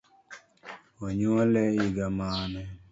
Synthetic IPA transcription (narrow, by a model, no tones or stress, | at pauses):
ɔɲuɔlɛiɡamaːnɛ